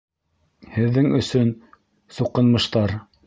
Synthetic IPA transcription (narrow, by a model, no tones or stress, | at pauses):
hɘ̆ðːɘŋɵ̆sɵn | suqɤ̆nmɤ̆ʃt̪ɑɾ